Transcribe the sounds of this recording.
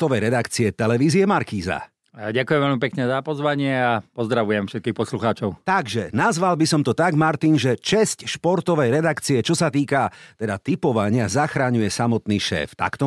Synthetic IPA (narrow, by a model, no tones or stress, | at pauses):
t̪ɔʋɛjɾɛd̪akt͡siɛt̪ɛlɛʋiːziɛmaɾkiːza̰ | ɟakujɛmʋɛlmipɛkɲɛzapɔzʋaɲɪɛapɔzd̪ɾaʋujɛmfʃɛt̪̚kiːxpɔsluxaːt͡ʃɔʊt̪aɡʒɛnazʋalbisɔmt̪ɔt̪aɡmaɾt̪inʒɛt͡ʃɛscʃpɔɾt̪ɔʋɛjɾɛd̪akt͡siɛt͡ʃɔsat̪iːkat̪ɛd̪at̪ipɔʋaɲɪazaxɾaɲujɛsamɔt̪niːʃɛ̰ːft̪a̰kt̪ɔ